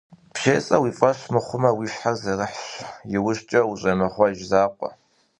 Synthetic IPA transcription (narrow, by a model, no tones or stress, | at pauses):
pɕeːt͡sʼɐwiːfʼɐɕmɨχʷʊmɐwiːɕħazɐrɨħɕjɪwʊɕt͡ʃʼɐwuɕʼɐmɨχʷɔʒzaːqʷʼɔ̰